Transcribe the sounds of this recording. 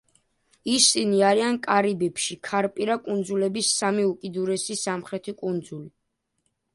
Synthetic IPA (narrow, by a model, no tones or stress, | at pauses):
isiniaɾiankʼaɾibɛpʃikʰaɾpʼiɾakʼund̪zulɛbisːamiukʼid̪uɾɛsisamχɾɛt̪ʰikʼund̪zuli